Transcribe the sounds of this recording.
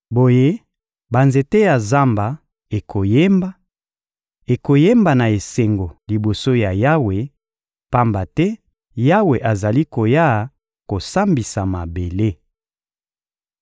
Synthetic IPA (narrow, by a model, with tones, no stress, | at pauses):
bo˨je˦ | ba˨nze˨te˦ja˨za˦mba˨ | e˨kʰo˨je˦mba˦ | e˨ko˨je˦mba˨na˨e˨se˨ŋɡo˨li˨bo˨so˦ja˨ja˦we˨ | pa˦mba˨tɛ˦ | ja˦we˨ʔa˨za˨li˦ko˨ja˦˨ | ko˨sa˦mbi˨sa˨ma˨be˨le˦